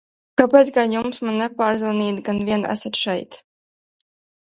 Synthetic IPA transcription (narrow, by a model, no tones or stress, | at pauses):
kapet̪sɡajumsmanːɛpaːɾzvaniːd̪ɡanviɛnæ̰sat̪ʃɛjt̪